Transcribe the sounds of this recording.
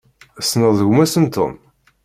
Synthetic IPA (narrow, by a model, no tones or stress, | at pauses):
snəðˤəʝʷmæsənt̪o̰m